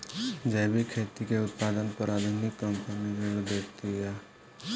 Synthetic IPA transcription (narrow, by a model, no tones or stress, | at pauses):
d͡ʒɛːbʱikʰeːt̪ikeʊt̪̚paːd̪ənpəɾaːd̪ʱʊnɪkːəmpənid͡ʒeɽud̪ekt̪iɦɛː